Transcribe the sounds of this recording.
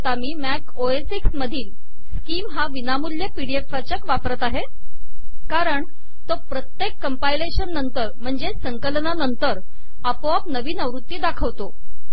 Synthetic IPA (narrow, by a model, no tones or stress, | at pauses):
t̪amiːmæk | oesiksməd̪ʱiːl | skiːmɦaʋinamuljepiɽieʈfat͡ɕəkʋapɾət̪aɦe | kaɾəɳ | t̪opɾət̪jekːəmpaileɕənːənt̪əɾm̤əɳd͡zesəŋkəlnanənt̪əɾ | əpoap̚nəʋiːnəʋɾut̪ːiːd̪akʰəʋt̪o